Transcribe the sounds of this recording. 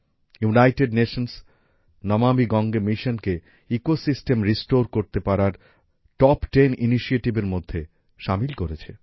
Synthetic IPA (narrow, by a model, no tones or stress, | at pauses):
junajʈeɖneʃons | nɔmamiɡɔŋɡemiʃonke | ikosisʈemɾisʈoɾkoɾt̪epaɾaɾ | ʈɔpʈeniniʃieʈibeɾmod̪ʱːe | ʃamilkoɾet͡ɕʰe